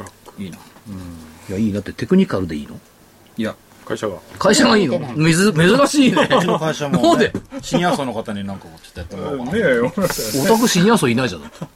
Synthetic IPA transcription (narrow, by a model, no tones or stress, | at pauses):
iːno | ɯ̃jaiːd̪at̪ːet̪e̞kɯ̟ɲ̟ikaɾɯ̟d̪e̞ḭːno | ja | kaiɕaɡa̰kaiɕaɡaiːnomzme̞zɨɾaɕiːkaiɕamnood̪eɕiɲiasonokat̪aɲ̟inãŋkaot͡ɕi̥t̪ːejat̪ːemoeot̪ak̬ɯ̟ɕiɲ̟ĩasoinaiʑanai